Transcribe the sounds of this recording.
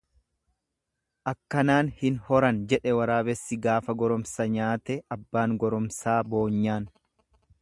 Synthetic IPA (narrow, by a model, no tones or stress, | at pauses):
ʔɐkːɐnaːnhɪnhɔɾɐnd͡ʒɛᶑɛwɐɾaːbɛsːɪɡaːfɐɡɔɾɔmsɐɲaːt̪ɛʔɐbːaːŋɡɔɾɔmsaːboːɲːaːn